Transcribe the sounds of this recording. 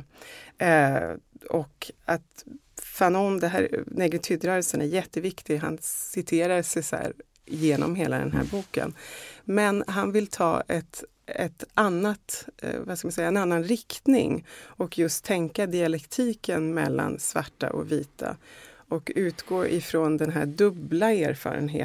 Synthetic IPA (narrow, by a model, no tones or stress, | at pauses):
ɔkat̪ | fanɔnd̪ɛɦæ̰ːɾnɛːɡɾət̪ʰʏd̪ɾœːɾəlsənæɾjɛt̪ːəvɪkt̪ɪɡɦa̰nsɪt̪ʰeːɾaʂɛjsæ̰ːɾ | jeːnɔ̰mɦeːlad̪ɛ̰nɦæ̰ːɾbuːkə̰nmɛnɦanvɪlt̪ʰɑ̰ːɛt̪ | ɛt̪anːat̪vaskamansɛjːaɛnanːanɾɪkt̪nɪ̰ŋɔkjɵst̪ʰːɛŋkad̪ɪalɛkt̪ʰiːkənmɛ̰lːa̰nsva̰ʈːa̰ʔɔ̰viːt̪ʰa̰ɔkʉ̟ːt̪ɡoːʔɪfɾond̪ɛnɦæːɖɵblaæːɾfɑ̰ːɾə̰nɦḛː